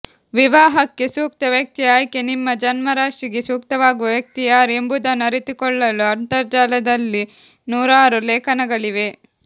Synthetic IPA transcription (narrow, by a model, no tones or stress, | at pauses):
ʋiʋaːɦɐkːe̞suːk̚t̪ɐʋjɐk̚t̪iaːjkenimːɐd͡ʒɐnmɐɾaːʂɾiɡesuːk̚t̪ɐʋaːɡuʋɐʋjɐk̚t̪ijaːɾembud̪ɐnɐɾit̪ikɔɭːɐluɐnt̪ɐɾd͡ʒaːlɐd̪ɐlːi | nuːɾaːɾuleːkɐnɐɡɐɭiʋe̞